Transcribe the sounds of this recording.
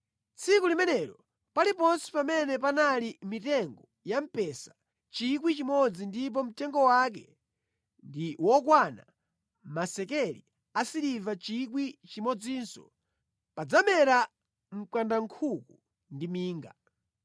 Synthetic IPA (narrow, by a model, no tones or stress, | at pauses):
t͡sʰikulimɛnɛɾɔ | palipɔnsi̥pamɛnɛpanalimitɛŋɡɔ | jam̩pɛsḁ | t͡ʃik̬wit͡ʃimɔd͡zindip̬ɔm̩tɛŋɡɔwak̬ɛ | ndiwɔk̬wana | masɛkɛlḭ | asiɾivat͡ʃik̬wit͡ʃimɔd͡ziːnsɔ̰ | pad͡zamɛɾa | m̩kwandaŋkʰuku | ndimiːŋɡa